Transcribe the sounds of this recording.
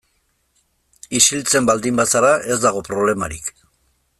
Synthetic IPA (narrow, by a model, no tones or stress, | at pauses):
isilt͡se̞mbald̪imbasaɾaʔe̞zd̪aɣ̞o̞pɾo̞β̞le̞maɾik